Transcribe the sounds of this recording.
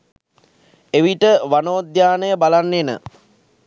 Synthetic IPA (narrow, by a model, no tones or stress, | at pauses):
eʋiʈəʋanoːd̪jaːnəjəbalanːenə̰